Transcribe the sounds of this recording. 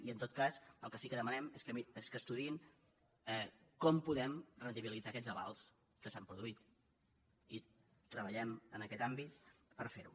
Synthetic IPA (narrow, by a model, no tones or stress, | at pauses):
iənt̪ot̪̚kazəlˠkəsikəðəmənɛmeskəieskəst̪uðiin | ɛkɔmpuðɛmrənt̪iβilid͡zakɛd͡zəβa̰lˠs | kəsampɾuðuit̪ | i | t̪ɾəβəʎɛmənəkɛt̪ambit̪pəɾfeɾṵ